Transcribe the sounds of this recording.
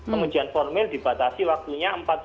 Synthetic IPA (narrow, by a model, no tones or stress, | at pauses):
pəmud͡ʒ̥i̤anfɔrmɪld̪i̤bat̪asiwak̚t̪uɲaəmpat̪̚